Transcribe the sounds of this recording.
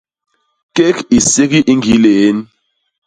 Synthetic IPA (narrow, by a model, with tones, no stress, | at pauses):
ke˦ki˨se˦k̬i˦ʔi˦ŋɡi˨˦le˨e˦n˦